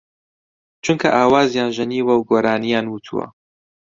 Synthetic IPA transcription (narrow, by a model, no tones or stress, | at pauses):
t͡ʃʰuŋkʰɐʔaːwaːzjaːnʒɐniːwɐwɡoːɾaːnijaːnwut̪ʰṵwɐ̰